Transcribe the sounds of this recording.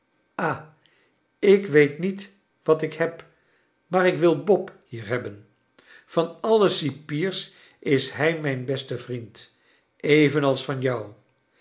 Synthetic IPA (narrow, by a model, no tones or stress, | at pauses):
ʔaː | ɪkʋejtnit | ʋɑtɪkhɛp | maːɾɪkʋɪlˠbɔphiːɹɦɛbən | v̥ɑnɑləsipiːɹs | ʔɪsɦɛjmɛjnbɛstəvrint | ʔejvənɑlˠsfɑnjʌw